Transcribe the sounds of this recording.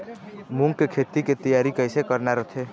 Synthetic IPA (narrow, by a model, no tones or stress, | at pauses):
mũŋɡkekʰeːt̪iket̪əjaːɾikəɪsekəɾnaɾət̪ʰe